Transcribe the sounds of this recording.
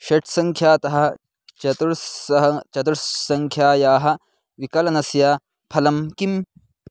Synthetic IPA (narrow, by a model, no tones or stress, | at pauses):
ɕeʈʰsɐŋkʰjaːt̪ɐɦɐ̆ | t͡ʃɐt̪uɾɐɦɐt͡ʃɐt̪uɽsɐŋkʰjaːjaːɦɐ̆ | ʋikɐlɐnɐsjaː | pʰɐlɐmkim